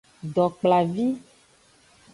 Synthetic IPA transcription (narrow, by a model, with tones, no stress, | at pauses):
ɖɔ˨k͡pla˨vi˦